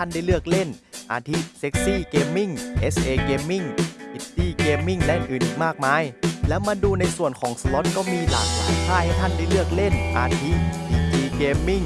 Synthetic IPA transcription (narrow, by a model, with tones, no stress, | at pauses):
a˥˩nda˥˩jlɯ˥˩ək̚le˥˩n | ʔaː˧t̪ʰi˦˥t̪̚se˦˥k̚siː˥˩keː˧mːi˥˩ŋʔe˦˥sʔeː˧keː˧mːi˥˩ŋʔi˧˥t̪iː˧˩keː˧mːi˥˩ŋlɛ˦˥ʔɯ˨˩nʔɯː˨˩nʔiː˨˩k̚maː˥˩k̚maː˧˥˨jlɛː˦˥wmaː˧duː˧na˧jsu˨˩ənkʰɔː˩˦ŋsə˧lo˦˥t̪̚kɔː˧˥˩miː˧la̰ː˨˩k̚sa̰ː˨˩˦jt̪ʰaː˧˥˩jha˥˩jt̪ʰa˥˩nda˥˩jlɯ˥˩ək̚le˥˩nʔa̰ː˧t̪ʰi˦˥t̚iː˧˩t̪ʰiː˧keː˧mːi˥˩ŋ